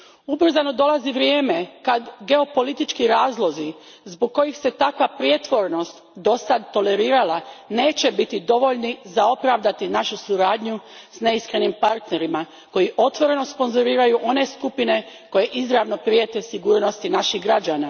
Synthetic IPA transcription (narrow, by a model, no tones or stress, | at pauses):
ubr̩zano̞d̪o̞lˠaziʋɾjeːme̞kad̪ɡe̞o̞po̞lit̪it͡ʃkiɾaːzlˠozi | zboɡ̚ko̞jixse̞t̪akʋapɾje̞t̪ʋo̞ɾno̞st̪d̪o̞sad̪t̪o̞le̞ɾiːɾalane̞ːt͡ɕe̞bit̪id̪o̞ʋo̞ʎnizao̞pɾaʋd̪at̪inaʃusuɾaːd̪ɲu | sne̞iskɾe̞nimpaɾt̪ne̞ɾima | ko̞jiʔo̞t̪ʋo̞ɾe̞no̞spo̞nzoɾiːɾajuʔo̞ne̞skupine̞ | ko̞je̞ʔizɾaʋno̞pɾiet̪esiɡuːɾno̞st̪inaʃiɣɡɾad͡ʒaːna